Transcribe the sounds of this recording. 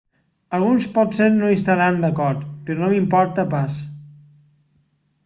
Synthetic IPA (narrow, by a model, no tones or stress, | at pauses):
əlˠɣunspɔt̪seɾnoist̪aɾand̪əkɔɾt̪peɾonomimpɔɾt̪əpas